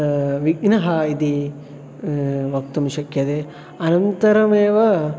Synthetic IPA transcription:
ʋiɡnɐɦɐid̪i | ʋɐk̚t̪umʃɐkjɐd̪e | ɐnɐnt̪ɐɾɐmeːʋɐ

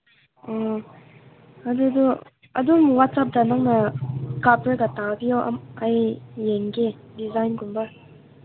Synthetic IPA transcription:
ɔ | adudu | ɐdumuwat̚sap̚danaŋnakapɾeɡatabijawʔa̰majːeŋɡe | dizajnɡunba

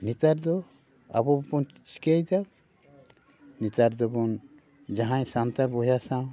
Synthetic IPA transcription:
nit̪aɾd̪ɔ | a̰bɔbɔn | t͡ʃkɛjd̪am | nit̪aɾd̪ɔbɔn | d͡ʒaɦãjsant̪aɾbɔjasã

